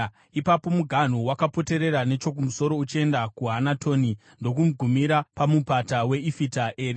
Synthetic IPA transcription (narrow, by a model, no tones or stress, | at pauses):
ipapo̞muɡʱan̤uwakapo̞te̞ɾe̞ɾane̞t͡ʃo̞k̬umuso̞ɾo̞ut͡ʃie̞ndakuɦanatʰo̞ːni | ndo̞kumuɡʱumiɾapamupatawe̞ifitaʔe̞ːɾi